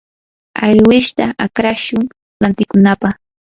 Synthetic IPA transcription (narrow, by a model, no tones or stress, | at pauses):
a̰ʎwɪʃt̪aʔakɾaʃʊŋ | lant̪ɪkʊnapɑχ